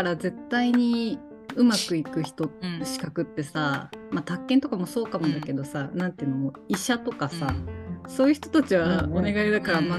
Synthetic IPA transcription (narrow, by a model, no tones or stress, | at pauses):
aɾaze̞t̪ːaiɲ̟i | ɯ̟makɯ̟ikɯ̟çi̥t̪o̞ɕi̥kakɯ̟t̪ːe̞samat̪akːẽ̞nt̪o̞kamo̞so̞ːkamod̪ake̞d̪o̞sanãnt̪eɯ̟noo | iɕat̪o̞kasaso̞ːjɯ̟çi̥t̪o̥t̪at͡ɕiβaone̞ɡaid̪akaɾama